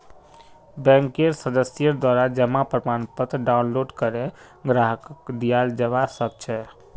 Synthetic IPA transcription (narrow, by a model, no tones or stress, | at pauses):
bɛ̃ŋkeɾsəd̪əsjəd̪waɾad͡ʒəmapɾəmanpət̪ɾɖaunloɖkəɾe | ɡɾaɦəkkd̪ijald͡ʒəβasək̚t͡ʃʰɛ